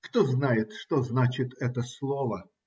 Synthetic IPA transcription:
kt̪oznajɪt̪ʂt̪oznat͡ɕɪt̪ɛt̪əslˠovə

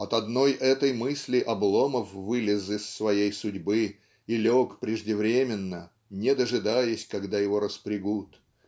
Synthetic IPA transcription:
ɐt̪ɐd̪no̞jʔɛt̪əjmɨsʲlʲɪʔɐblˠo̞məfvɨlʲɪzɪsːvɐjejsʊdʲbɨ | ilʲokpɾʲɪʐdʲɪvɾʲemʲɪnːə | nʲɪd̪əʐɨd̪ajʊsʲkɐɡd̪ajɪvo̞ɾəspɾʲɪɡut̪

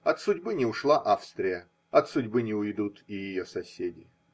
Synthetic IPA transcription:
ɐt̪sʊdʲbɨnʲɪʊʂlˠaʔafst̪ɾʲɪjə | ɐt̪sʊdʲbɨnʲɪʊjd̪ut̪ɪjɪjosɐsʲedʲɪ

